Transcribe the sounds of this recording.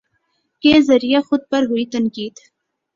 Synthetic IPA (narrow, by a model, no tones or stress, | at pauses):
keːzɐɾijaxʊd̪̚pɐɾɦʊit̪ɐnkiːd̪